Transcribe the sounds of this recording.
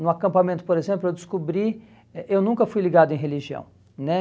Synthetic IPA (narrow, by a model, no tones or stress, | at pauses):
nʊakɐ̃mpamẽnt̪ʊ̥poɾezẽmplʊewd̪ɪskubɾi | ɛʔewnũŋkɐfujliɡad̪ʊẽj̃ɦeliʒiɐ̰̃w̃ | nɛ